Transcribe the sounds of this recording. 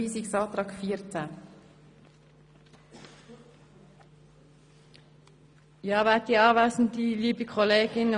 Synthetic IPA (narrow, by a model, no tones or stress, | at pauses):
iːsiksɑːt̪ʁɑːkfiːɾt͡sæ | jɑːʋɛːt̚diːɑːʋæːsn̩diliːbikʰɔleːɡɪn